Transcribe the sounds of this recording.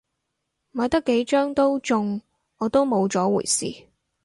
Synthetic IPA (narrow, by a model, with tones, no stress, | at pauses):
mɔː˨˧jt̪ɐ˥kːe˨˥jt͡ʃœː˥ŋt̪o˥wt͡ʃʊ˧ŋ | ɔː˨˧t̪o˥wmo˨˧wt͡sɔː˨˥wṵː˨˩jsḭː˨˩